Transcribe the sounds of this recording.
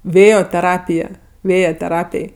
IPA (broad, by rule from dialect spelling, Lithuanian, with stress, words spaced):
ˈʋʲeːjoː tʲɛˈrɑːpʲɪjɛ ˈʋʲeːjɛ tʲɛˈrɑːpʲeːj